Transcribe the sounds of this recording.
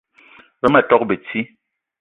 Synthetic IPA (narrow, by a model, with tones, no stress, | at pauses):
bɛ˦ma˨tɔ˦k̚be˨t͡si˦